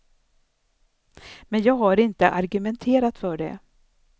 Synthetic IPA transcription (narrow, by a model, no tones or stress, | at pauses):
mɛnjɑːɡɦaɾɪnt̪əʔaɾɡɵmɛnt̪ʰeːɾat̪fœːɖɛ̰